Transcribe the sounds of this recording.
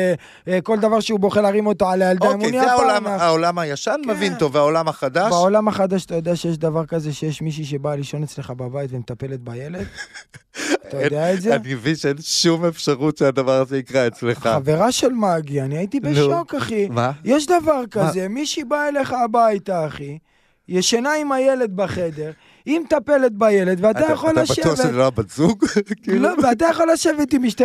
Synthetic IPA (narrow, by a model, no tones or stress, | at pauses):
ko̞ld̪avaʁʃeubo̞χeʁaʁimo̞t̪oalajaldaimuniaaaanaaolamajaʃanmevint̪oveaolamhaχadavʃaolamaχad̪aʃat̪ajo̞d̪eaʃejeʃ̬d̪avaʁkaze̞ʃejeʃmiʃ̬iʃ̬ebaliʃo̞net͡sle̞χababajt̪vemetape̞let̪̚bajele̞d̪ | atajod̪eaezeat̪ɡevinʃeenʃumefʃaʁutʃead̪avaʁazeikʁaet͡sleχχaave̞ʁaʃelmaɡianiait̪ibeʃo̞kaχimajeʃ̬d̪avaʁkaze̞miʃibaele̞χaːbait̪aːχi | jeʃanaimaje̞le̞d̪baχe̞d̪e̞ʁ | imet̪ape̞let̪̚baje̞le̞d̪veat̪ajaχolːaʃbateuaveabazuɡkiloveat̪ajaχolːaʃevet̪imiʃt̪e